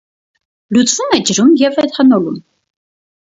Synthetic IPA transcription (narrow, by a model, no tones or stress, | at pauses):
lut͡sʼvumɛd͡ʒəɾumjɛvɛt̪hɑnɔlum